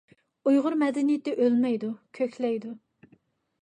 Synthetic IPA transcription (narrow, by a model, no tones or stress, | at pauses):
ujʁʊɾmɛd̪ɪnijit̪ːɛʔølmɛjd̪ukʲʰøkʲlɛjd̪u